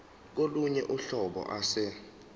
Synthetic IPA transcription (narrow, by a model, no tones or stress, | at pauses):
k̬oluɲɛʔuɬɔɓɔ̰ʔasɛ